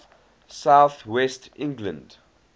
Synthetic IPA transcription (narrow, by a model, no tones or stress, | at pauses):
saʊθwɛstʰɪ̃ŋɡlə̰̃nd